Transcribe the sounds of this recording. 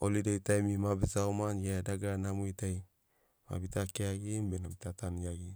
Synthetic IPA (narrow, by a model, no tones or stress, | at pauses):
olidajtajmimabesaomanjadaɡanamuitaj | ma̰bitakeaɡimbenabitatanjaɡi